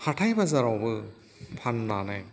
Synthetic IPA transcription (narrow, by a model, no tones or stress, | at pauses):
haʈʰajbazaɾawbɯ | pʰanːanaj